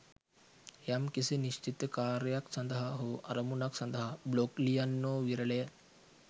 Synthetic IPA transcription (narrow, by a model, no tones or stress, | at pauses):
jamkiseniɕt͡ɕit̪kaɾjaksənd̪əɦaɦoʔɐɾəmunaksənd̪əɦabloklijanːoʋiɾɭe